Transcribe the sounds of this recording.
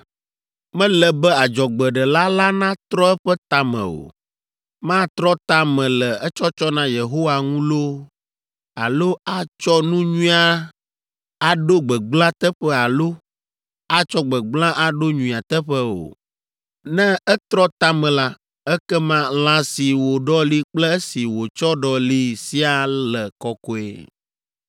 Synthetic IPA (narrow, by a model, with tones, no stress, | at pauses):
mɛ̃˦lɛ˨bɛ˦a˨d͡ʒɔ˨ɡ͡bɛ˨ɖɛ˨la˦la˦nã˦t̪ɾɔ˦ɛ˦ɸɛ˦t̪a˦mɛ̰̃˨o̰˨ | mã˦t̪ɾɔ˦t̪a˦mɛ̃˨lɛ˨ɛ˦t͡ʃɔ˦t͡ʃɔ˦nã˦je˨ɦo˦wa˨ŋũ˦lo˦ | a˨lo˦a˦t͡ʃɔ˦nũ˦ɲũ˦a˦ | a˨ɖo˦ɡ͡bɛ˨ɡ͡blã˦t̪ɛ˦ɸɛ˦a˨lo˦ | a˦t͡ʃɔ˦ɡ͡bɛ˨ɡ͡blã˦ʔa˦˨ɖo˦ɲũ˨i˨a˨t̪ɛ˦ɸɛ˦o̰˨ | nɛ̃˦ɛ˦t̪ɾɔ˦t̪a˦mɛ̃˨la˦ | ɛ˦kɛ˦mã˦l̃ã˦si˨wo˨ɖɔ˦li˦k͡plɛ˦si˨wo˨t͡ʃɔ˦ɖɔ˨li˦si˦a˦˨lɛ˨kɔ˨kɔ˨ḛ˨